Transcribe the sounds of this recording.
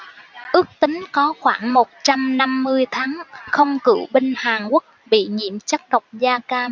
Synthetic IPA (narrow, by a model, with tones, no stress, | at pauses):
ʔɨ˦˥ək̚t̪ï˨˦ŋ̟kɔ˨˦xwaː˧˩ŋmo˨˩t̚t͡ɕa˧mna˧mːɨ˧əjt̪ʰaː˨˦ŋxə˧wŋ͡mkɨ̰˧˩wɓi˧ŋ̟haː˨˩ŋku˦˥k̚ɓḭ˧˨ɲḭ˧˨əmt͡ɕa˦˥k̚ɗə˨˩wk͡p̚zaː˧kaː˧m